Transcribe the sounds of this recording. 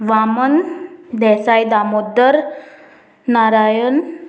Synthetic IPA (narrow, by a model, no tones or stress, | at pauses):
ʋamənd̪ɛsajd̪amod̪əɾ | naɾajən